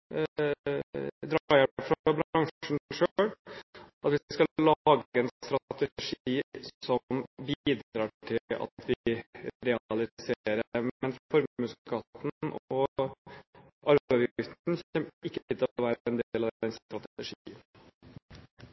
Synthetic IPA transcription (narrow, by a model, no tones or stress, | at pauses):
d̪ɾɑjæfɾbɾɑŋʂʂɳ̩ʂølʔɑt̪ʋɪskɑɑːɡɛnst̪ɾɑt̪ɛʂiːsɔmbiiːd̪ɾɑːʈʰɪɑ̰t̪ʋɪɾɛɑlɪseːɾəɛnfɾfɔɾmʉskʰɑːt̪nʔɔ | ʔɑɾɑɪft̪nsɔmɪkːəət̪ʰɪlʋæːɾɛnd̪eeːlɑʋd̪ɛnst̪ɾɑt̪əʂiːən